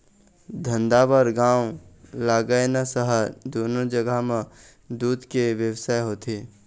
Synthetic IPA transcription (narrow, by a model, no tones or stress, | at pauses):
d̪ʱə̃nd̪abəɾɡãːwlaːɡəjnasəɦəd̪oːnod͡ʒəɡamã | d̪uːd̪keʋjəwsaːeɦoːt̪eː